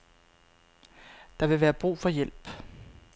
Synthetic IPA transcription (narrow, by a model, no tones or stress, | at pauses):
d̥ɑ̈ʋe̝ʋæːɐb̥ʁṵːfɒ̽jel̰b̥